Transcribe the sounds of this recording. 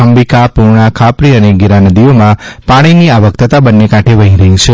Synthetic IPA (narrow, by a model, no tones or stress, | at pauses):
əmbikapuɾɳ̃akʰapɾiəneɡiɾanəd̪iomãpãɽ̃iniaʋək̚t̪ʰət̪abənːekãʈʰeʋəɦĩɾəɦĩt͡ʃʰe